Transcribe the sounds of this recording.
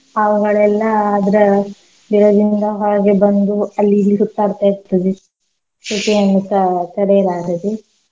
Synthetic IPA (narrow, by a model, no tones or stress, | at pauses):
ɐʋuɡɐɭɛlːɐaːd̪ɐɾe | biɾɐd̪ind̪ɐɦaːɡebɐnd̪uɐlːilisut̪ːaːɾt̪aɾt̪ɐd̪i | suʈiɐnːut̪ɐt̪ɐɽɛjɐlaːɡɐd̪i